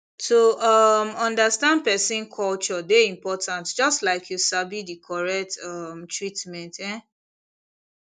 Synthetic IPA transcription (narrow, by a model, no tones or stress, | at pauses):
toʌmɔ̃ndastãnd̚pɛsĩnkʰɔlt͡ʃɔdeĩmpɔtʰãntd͡ʒɔstlaɪkʰjusabidikʰɔɹɛk̚tʌmtʰɹitmɛ̃ntɛ̃